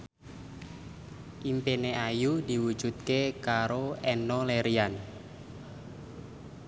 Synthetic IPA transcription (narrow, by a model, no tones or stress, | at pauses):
ʔimpeneajudi̤wu̥d͡ʒ̥ut̪̚kekaɾoɛnɔleɾian